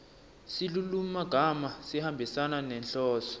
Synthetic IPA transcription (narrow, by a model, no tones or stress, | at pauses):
silulum̩maɡ̥ʱamasihambʱisananɛnɬɔːsɔ̥